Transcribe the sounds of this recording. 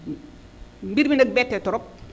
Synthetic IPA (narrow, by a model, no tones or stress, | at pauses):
mbiɾbindɐk̚bɛtːɛtɔɾɔp̚